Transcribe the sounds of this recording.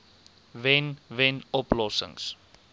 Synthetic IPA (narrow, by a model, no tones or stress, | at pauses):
vɛnvɛnɔplɔsə̰ŋs